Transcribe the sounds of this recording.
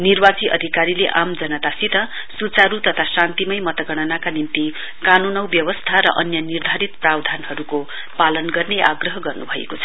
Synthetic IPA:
nirbat͡siʔʌ̰d̪ʱikaɾileʔamd͡zʌnʌt̪asit̪ʌ | sut͡saɾut̪ʌt̪ʰasant̪imʌjmʌt̪ʌɡʌɽ̃ʌnakanimt̪i | kanunʌwbjʌwʌst̪ʰaɾʌ̰ʔʌnjʌnird̪ʱaɾit̪prawd̪ʱanhʌɾuko | palʌnɡʌrneʔaɡrʌɦʌɡʌrnubʱʌḛkot͡sʰʌ

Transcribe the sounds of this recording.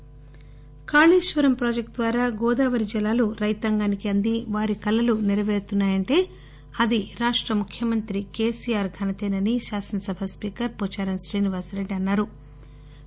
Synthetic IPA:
kaːliːʃʋɐɾɐmpɾoːd͡ʒek̚ʈ̚d̪ʋaːɾaːɡɔːd̪aːʋɐɾid͡ʒɛlaːluɾɐjt̪ɐŋɡaːnikiɐnd̪iʋaːɾikɐlːɐluniɾɐʋeːɾut̪unːaːjɐɳʈe̞ː | ɐd̪iɾaːʂʈɾɐmukʰjɐmɐnt̪ɾike̞ːsijaːɾɡʱɐnɐt̪eːnɐniʃaːsɐnɐsɐbʱɐspiːkɐɾpɔt͡ʃaːɾɐnsɾiːniʋaːɾsɾeɖɐnːaːɾu

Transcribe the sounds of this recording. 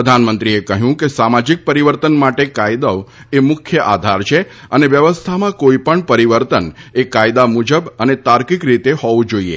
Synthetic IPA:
əd̪ʱanmənt̪ɾiekəɦjũkesamad͡ʒik̚pəɾiʋəɾt̪ənmaʈekajd̪ə | emʊkʰjəʔa̰d̪ʱaɾt͡ʃʰe | əneʋjəʋəst̪ʰamãkoipəɳpəɾiʋəɾt̪ənekajd̪amud͡ʒəbənet̪aɾkikɾit̪ehɔʋũd͡ʒoiḛ

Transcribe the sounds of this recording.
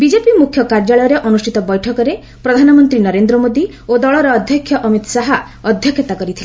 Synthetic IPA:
bid͡ʒepimukʰjɔkaɾd͡ʒaɭɔjɔɾeʔɔnusʈʰit̪ɔbɔjʈʰɔkɔɾe | pɾɔd̪ʱanɔmɔnt̪ɾinɔɾend̪ɾɔmod̪i | od̪ɔɭɔɾɔːd̪ʱjɔkʰjɔʔɔmit̪ɔsaɦa | ɔd̪ʱjɔkʰjɔt̪akɔɾit̪ʰile

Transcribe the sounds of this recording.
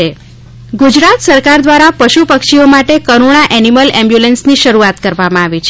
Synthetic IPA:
e | ɡud͡ʒɾat̪səɾkaɾd̪ʋaɾapəʃupəkʃiomaʈekəɾoɽ̃aʔɛniməlɛ̃mbjulensniʃəɾuat̪kəɾʋamãaʋit͡ʃʰe

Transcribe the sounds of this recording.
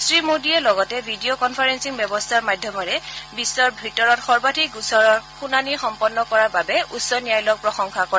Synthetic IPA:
sɹimodiɛlɔɡɔtɛbʱidiokɔnpʰaɹensiŋbɛbɔstʰaɹmadʱjɔmɔɹɛbisːɔɹbʱitɔɹɔtxɔɹbatʰikɡusɔɔxunanixɔmpɔnːɔkɔɹaɹbabɛʔusɔniajlɔk̚pɹɔxɔŋkʰakɔɹɛ

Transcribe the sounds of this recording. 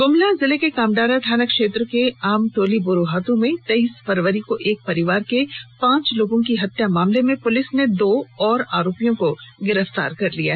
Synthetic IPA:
ɡʊmlazɪlekekaːmɖ̪aːɾaʈ̪ʰaːnəkʃeːt̪ɾkeaːmʈoːlibʊɾuɦaːt̪ũmẽt̪ɐiːsfɐɾʋəɾikoʔeːk̚pɐɾɪʋaːɾkepãːt͡ʃloːɡõkiɦɐt̪ːjamaːmlemẽpʊlɪsned̪oːɔːɾa̰ːɾoːpijõkoɡɪɾəft̪a̰ːɾkɐɾlijaɦ

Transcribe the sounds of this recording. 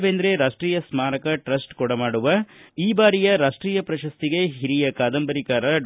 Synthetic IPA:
ʋend̪ɾe̞ɾaːʂʈɾiːjɐsmaːɾɐkɐʈɾɐsʈkɔɽɐmaːɽuʋɐiːbaːɾijɐɾaːʂʈɾiːjɐpɾɐʃɐst̪iɡe̞ɦiɾijɐkaːd̪ɐmbɐɾikaːɾɐɖ

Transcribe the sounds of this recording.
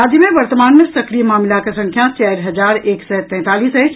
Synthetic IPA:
aːd͡ʒimẽʋɐɾt̪əmaːnmẽsɐkɾimaːmɪlakesɐ̃ŋkʰjãt͡ʃɛːɾɦɐd͡ʒaːɾeːksɛːt̪ɛ̃ːt̪aːliːsɛːt͡ʃ

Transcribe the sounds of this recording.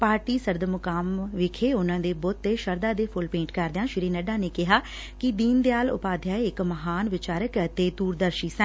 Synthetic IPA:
paːɾʈiːsəɾd̪mʊkaːmʋɪkʰeːʊnãːd̪eːboːt̪ːeːʃəɾd̪aːd̪eːpʰʊlpẽːɳʈkəɾd̪ejãːʃɪɾiːnəɖaːneːkɪɦaː | kɪd̪iːnd̪eaːlʊ̰paːd̪ʱjaːeɪkməɦaːnʋɪt͡ʃaːɾəkət̪eːd̪uːɾd̪əɾʃiːsə̃n

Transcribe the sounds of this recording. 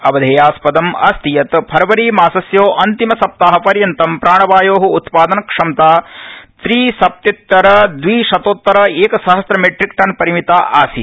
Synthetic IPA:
ɐbɐd̪ʱeːjaːspɐd̪ɐmɐ̰st̪ijɐt̪pʰɐɾɐʋɐɾiːmaːsɐsjoːʔɐnt̪imɐsɐp̚t̪aːɦɐpɐɾjɐnt̪ɐmpɾaːɳɐʋaːjoːɦɐut̪paːd̪ɐnɐkʂɐmt̪aːt̪ɾiːsɐp̚t̪ɐt̪ːɐɾɐd̪ʋiːʃɐt̪oːt̪ːɐɾɐeːkɐsɐɦɐst̪ɾɐmeʈɾikʈɐnpɐɾimit̪aːʔaːsḭ

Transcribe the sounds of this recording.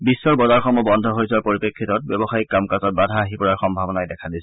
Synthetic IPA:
bisːɔɹbɔzaɹxʰɔmɔbɔndʱɔɦojsaɹpoɹipekʰːitɔt̚bɔbɔxajikːamkazɔt̚badʱaːɦipɔɹaɹxɔmbʱabɔnajdɛkʰadisɛ

